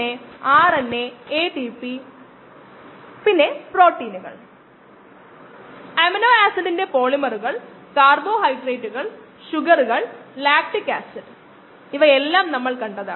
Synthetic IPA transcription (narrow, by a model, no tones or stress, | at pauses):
eaːrɐnːeeːʈipːi | pinːe̞pro̞ːʈːiːnuɣɐ̰ɭ | ɐmɐnoːaːsɐndinde̞po̞ːɭimɐruɣɐɭ | kaːrbo̞ːhɐjɖreːʈːuɣɐɭ | ɕuɣɐruɣɐɭlaːk̚ʈɨkaːsɐɾ | iʋɐelːaːmnɐmːɐɭkɐɳɖɐða̰